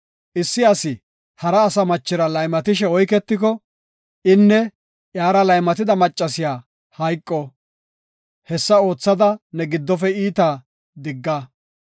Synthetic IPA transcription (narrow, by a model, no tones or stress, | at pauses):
ʔɪsːɪɐsɪ | hɐɾɐːsɐmɐt͡ʃːɪɾɐlɐjmɐt̪ɪʃɛɔjkɛt̪ːɪk̬ɔ | ɪnːɛ | ʔjaːɾɐlɐjmɐt̪ɪd̪ɐmɐt͡ʃʼːɐsɪjaː | hɐjkʼːɔ | hɛsːɐo̞ːt͡sːɐd̪ɐnɛɡɪd̪ːɔfɛiːt̪a | d̪ɪɡːɐ